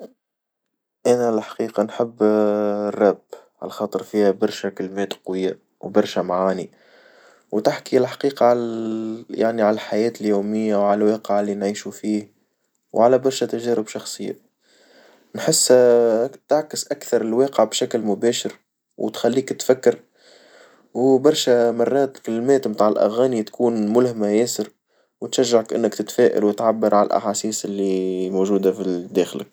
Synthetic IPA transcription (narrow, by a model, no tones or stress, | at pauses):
ʔænælħḁqiːqɑnħɪbːrˤːɑbʕa̰lxɑːt̪ˤəɾfiːhæbɑɾˤʃækəlmɛːt̪qwɪjːa | wbɑɾˤʃæmaʕaːni | wt̪ɪħkilħḁqiːqɑʕal | ja̰ʕniʕalælħajɛːt̪ɪljuːmɪjːawʕallwɛːqəʕalːinʕiːʃufiːh | wʕalæbɑɾˤʃæt̪æʒɛːɾəbʃɑxsˤɨjːæ̰ | nħɪsː | t̪aʕkɪsʔakθɑɾˤɪlwɑːqəʕbʃæklmʊbæːʃɪɾ | wt̪xælːiːkt̪fækːɪɾ | wbɑɾˤʃæmɑrˤːɑːt̪kɪlːmɛːt̪mt̪aːʕɪlʔa̰ɣæːnit̪kuːnmʊlhmajɛːsɪɾ | wt̪ʃæʒːaʕakʔɪ̰nːəkt̪ɪt̪fɛːʔa̰lwɪt̪ʕabːəɾˤʕala̰lʔa̰ħaːsiːsɪlːimoːʒuːd̪afid̪æːxlɪk